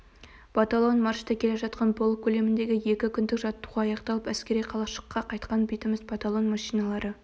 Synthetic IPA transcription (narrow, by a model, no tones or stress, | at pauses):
b̥ɑt̪alˠo̞nmɑɾʃt̪əkʲʰe̞le̞ʒɑt̪qɑnbolˠkʲʰːɵle̞mɪnd̪e̞ɡʲɪje̞kʲɪkʲʰʏnd̪ɪkʒɑt̪ːuʁɑɑjɑqt̪ɑlˠəpæskʲeɾijqʰɑlˠɑʃə̥qʰːɑqʰɑjt̪qɑnbejt̪ɪmɪzbɑt̪ɑlˠo̞nmɑʃijnɑlˠɑɾə